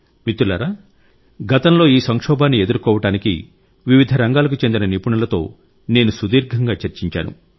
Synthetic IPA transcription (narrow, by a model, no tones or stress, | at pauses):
mit̪ːula̰ːɾaː | ɡɐt̪ɐmlo̞ːiːsɐŋkʂɔːbaːnːie̞d̪uɾkɔːʋɐʈaːnikḭ | ʋiʋid̪ʱɐɾɐŋɡaːlɐkut͡ʃend̪inɐnipuɳɐlɐt̪o̞̰ː | ne̞ːnusud̪iːɾɡʱɐŋɡaːt͡ʃɐɾt͡ʃiɲt͡ʃa̰ːnṵ